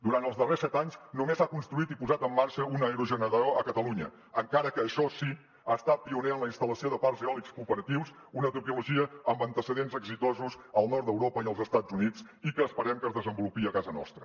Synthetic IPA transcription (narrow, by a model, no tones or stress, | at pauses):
d̪uɾant̪əlˠzðəresɛt̪aɲznumezakunst̪ɾuit̪ipuzat̪əmːaɾʃəunəəɾuʒənəɾəoəkət̪əluɲə | əŋkaɾəkəːʃɔsi | aəst̪at̪̚piuneənləinst̪ələsioðəparzeɔlikskupəɾət̪iws | unət̪upiuluʒiəəmbənt̪əsəðenzəɡzit̪ɔzuzəlˠnɔrt̪d̪əwɾopəiəlˠzəst̪ad͡zunit͡s | ikəːspəɾɛmkəzðəzəmbulupiəkazənɔ̰st̪ɾə